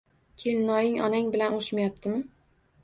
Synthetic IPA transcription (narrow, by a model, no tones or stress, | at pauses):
kʲʰelnɒjɪŋɒ̰naŋbɪlanoʃmajap̚t̪ʰɪmɪ